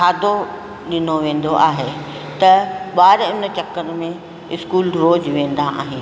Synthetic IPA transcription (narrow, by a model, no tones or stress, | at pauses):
kʰaːd̪ʱo | ɗɪnoʋẽːn̆d̪oʔaːɦe | t̪ɐɓaːɾɪnt͡ɕɐkːənmẽ | ɪskuːlɾoːd͡ʑʋẽːn̆d̪aʔa̰ːɦen